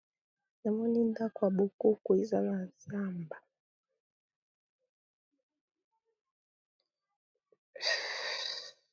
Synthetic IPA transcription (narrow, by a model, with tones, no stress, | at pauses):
na˨mɔ˦ni˦nda˦kwa˨ɓu˨ku˦ku˨i˦za˦na˨za˦˨mba˨